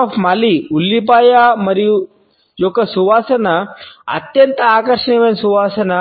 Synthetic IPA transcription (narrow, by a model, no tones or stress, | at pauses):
pmaːliulːipaːjamɐɾiju | jɔkːɐsuʋaːsɐnɐɐ̰t̪jɐnt̪ɐaːkɐɾʂɐɳiʋɐnsuʋaːsɐnɐ